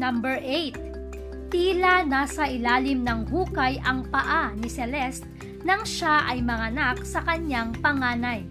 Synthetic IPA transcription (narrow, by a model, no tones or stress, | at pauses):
nɐmbɛɹʔejt̪̚ | t̪iːlanaːsɐʔɪlaːlɪmnɐŋhuːkɐjɐŋpɐʔanɪsɛlɛst̪̚ | nɐŋʃaʔɐjmɐŋɐnak̚sɐkɐɲːaŋpɐŋaːnɐj